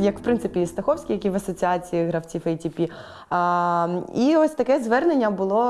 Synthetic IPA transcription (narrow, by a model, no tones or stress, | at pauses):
jɐkw̥pɾɪnsɪpʲist̪ɐxɔwsʲkʲijɐkʲiʋɐsɔt͡sʲiat͡sʲiiɣɾɐwt͡sʲifɛjtʲipʲi | iɔsʲt̪ɐkɛzʋɛrne̞nʲːɐbʊlˠɔ